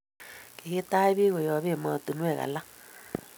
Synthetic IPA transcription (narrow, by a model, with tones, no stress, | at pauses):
ke˨ɣi˦ta˦i˦βi˦ɣo˨jɔ˨˦βe˦˨maː˨tu˨nwɛ˦˨ɣa̰˨la˦